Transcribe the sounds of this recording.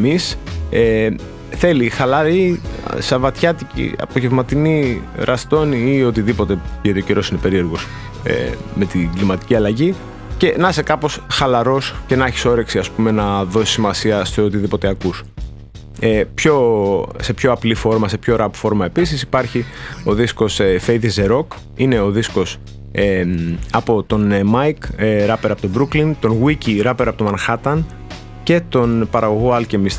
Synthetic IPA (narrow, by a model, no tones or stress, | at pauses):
emise | θe̞lixɐlɐɾḭsɐvɐt̪çɐt̪icḭɐ̰poʝevmɐt̪iniɾʔɐst̪o̞niio̞t̪iðipot̪e̞et̪ioceɾo̞sine̞pe̞ɾie̞ɾɣos | ḛme̞t̪iɡlimɐt̪i̥ciɐlɐʝi | ce̞nɐsekɐpo̞sxɐlɐɾo̞sce̞nɐçi̥so̞ɾe̞ksiɐspume̞nɐðo̞si̥simɐsiɐst̪eot̪iðipo̞t̪eɐkus | epço̞se̞pçoɐplifo̞ɾmɐse̞pço̞ɾɐpfo̞ɾmɐe̞pisisipɐɾçio̞ðisko̞sefejðizeɾo̞k | ine̞o̞ðisko̞s | eɐpo̞t̪o̞nmɐjkɾɐpeɾɐpo̞t̪obɾuklint̪o̞nɣwiciɾɐpeɾɐpot̪omɐnxɐt̪ɐn | ce̞t̪o̞npɐɾɐɣo̞ɣoɐlcemis